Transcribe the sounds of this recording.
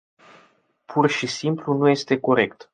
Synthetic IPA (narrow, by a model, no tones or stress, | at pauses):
pʰurʃisimplunuje̞st̪e̞ko̞ɾe̞kt̪